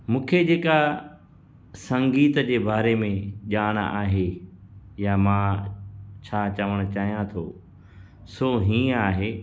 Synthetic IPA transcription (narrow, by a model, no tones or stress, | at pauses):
mũːkʰed͡ʑeːka | sɐ̃ŋɡiːt̪d͡ʑeːbaːɾemẽʄaːɽ̃a̰ːɦe | jamãː | t͡ɕʰaːt͡ɕɐʋəɽ̃ʊt͡ɕaːɦijãt̪ʰoː | soːɦĩːaːɦeː